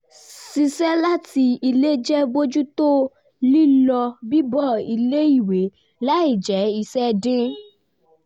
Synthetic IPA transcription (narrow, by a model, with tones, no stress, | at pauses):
si˧sɛ˦la˦ti˧i˧le˦d͡ʒɛ˦bo˦d͡ʒu˦to˦ | li˦lɔ˧bi˦bɔ˦˨i˧le˦i˦˨we˨˦ | la˦i˦˨d͡ʒɛ˨˦i˧sɛ˦dĩ˦